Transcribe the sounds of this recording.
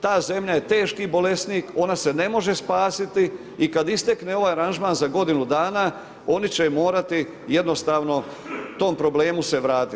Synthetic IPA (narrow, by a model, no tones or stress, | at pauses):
t̪aːze̞mʎaje̞t̪e̞ːʃkibo̞le̞st̪niːko̞nase̞ne̞mo̞ʒe̞spaːsit̪iː | kad̪ist̪ekneoʋaːjaɾanʒmaːnzaɡo̞d̪inud̪aːna | o̞nit͡ɕemo̞ːɾat̪i | je̞d̪no̞st̪aːʋno̞ | t̪o̞ːmpɾo̞ble̞ːmuse̞ʋɾaːt̪i